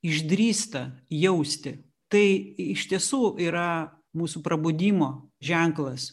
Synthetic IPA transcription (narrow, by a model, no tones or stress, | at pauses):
ɪʒʲd̪ʲɾʲiːst̪ɐjɛʊsʲt̪ʲɪ | t̪ɐɪɪʃʲt̪ʲiɛsuːʔiːɾɐ | muːsʊpɾɐbʊd̪ʲiːmoː | ʒʲɛŋklˠɐs